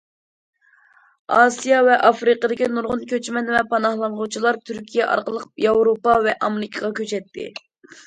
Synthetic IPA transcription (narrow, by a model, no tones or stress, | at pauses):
ɑsijɑvɛʔɑfɾɨqəd̪ɪkʲinuɾʁʊnkʲøt͡ʃmɛnvɛpʰɑnɑhlˠɑnʁut͡ʃʰilˠɑɾt̪ʰyɾkʲʰijɛʔɑ̰ɾqəlˠəqjɑwɾopɑvɛʔɑmɪɾɪkʰəʁɑkʲʰøt͡ʃɛt̪ʰːɪ̰